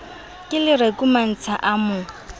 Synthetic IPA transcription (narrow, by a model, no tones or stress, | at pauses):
kʼɪlɪrekʼuman̩t͡sʰaʔamʊ